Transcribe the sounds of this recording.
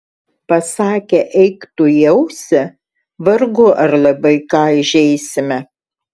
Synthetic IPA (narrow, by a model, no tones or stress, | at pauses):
pɐsɑːkʲɛʔɛɪkt̪ʊjɛʊsʲɛ | ʋɐɾɡʊʔɐɾlˠɐbɐɪkɑːɪʒʲɛɪsʲɪmʲɛ